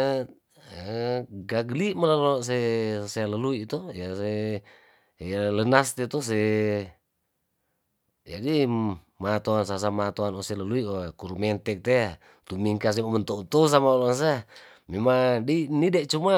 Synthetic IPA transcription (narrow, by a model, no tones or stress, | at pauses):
ɡaɡlimalalos̬ɛseləluit̪ɔjasɛ | alənast̪ɛt̪ɔs̬ɛ | d͡ʒadi | mat̪oansas̬amat̪oanɔsɛləluiokuɾumɛnt̪ɛk̚t̪ɛa | t̪umiŋkas̬ɛmamənt̪out̪ous̬amaolɔns̬e | mɛmadinidɛʔt͡ʃuma